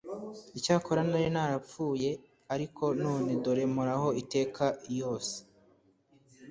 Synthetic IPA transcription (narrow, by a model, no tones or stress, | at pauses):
icaːkʰoɾanaɾinaɾap͡fuːje̞ | aɾikʰo̞nuːneduɾe̞muɾahoite̞ːkʰajo̞ːse̥